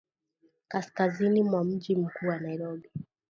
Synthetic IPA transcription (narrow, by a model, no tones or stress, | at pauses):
kaskazinimwam̩ʄim̩kuːwanaiɾɔɓi